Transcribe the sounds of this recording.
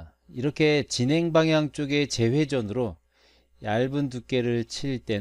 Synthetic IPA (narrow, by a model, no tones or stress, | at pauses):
iɾʌkʰe̞t͡ɕinɦe̞ŋbaŋɦjaŋt͡ɕ͈oɡe̞t͡ɕe̞we̞d͡ʑʌnɯɾo | jaɭbɯnduk͈e̞ɾɯɭt͡ɕʰiɭt͈e̞